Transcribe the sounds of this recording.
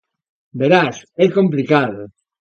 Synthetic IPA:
beɾasɛkomplikaðo

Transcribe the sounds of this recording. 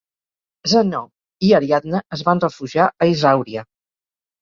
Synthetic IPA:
zənɔ | iəɾiad̪nəəzβanrəfuʒiaʔəizawɾiə

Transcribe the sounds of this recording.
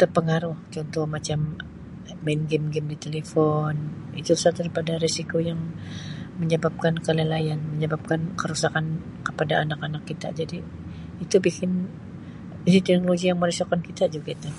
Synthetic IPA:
t̪ərpəŋaɾʊht͡ʃɔnt̪ɔhmat͡ʃamː | anɡɛmɡɪmdit̪elefɔnit̪usad̪əɾipadaɾesikojaŋ | məɲəbap̚kankəlelajanməɲəbap̚kankəɾusakan | kə̥padaʔːnakanakːit̪a̰ʔd͡ʒadiː | t̪ubikɪn | izit̪ɛknoloɡijaŋməɾisokankit̪ad͡ʒuɡait̪a

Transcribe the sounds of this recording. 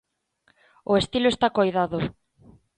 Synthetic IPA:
ʊest̪iloest̪akojðaðʊ

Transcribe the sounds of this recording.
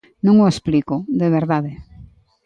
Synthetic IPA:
nõŋoesplikoðeβ̞eɾðaðe

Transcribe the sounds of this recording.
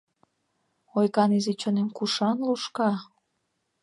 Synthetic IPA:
ojkɑnizit͡ɕonemkuʃɑnluʃkɑ

